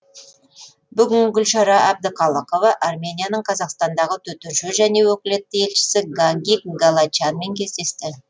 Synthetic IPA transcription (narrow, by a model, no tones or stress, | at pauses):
bʏɡʲɪŋɡʲʏlʃɑɾɑʔɑb̚d̪əqʰɑlˠəqo̞vɑʔarmʲe̞nijanəɴqʰɑzɑqst̪ɑnd̪ɑʁət̪ʰɵt̪ʏnʃʏʒæne̞wɵkʲɪlet̪ːɪje̞lʃɪ̥sɪɡaŋɡʲipɡalˠat͡ʃanme̞ŋkʲʰe̞zd̪e̞st̪ɪ